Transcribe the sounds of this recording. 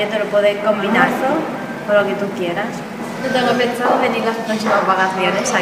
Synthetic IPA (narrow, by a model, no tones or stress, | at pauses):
et̪olopweðeko̞mbinaɾso | poɾloket̪ukjeɾas | ɲot̪eŋɡoepensaðoðenilasot̪ensimazβakaθjonesa